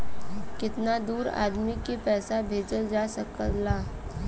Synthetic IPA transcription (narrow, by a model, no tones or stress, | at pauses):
kɪt̪nad̪uːɾa̰ːd̪mikepɛːsabʱeːd͡ʒəld͡ʒaːsɐkəllaː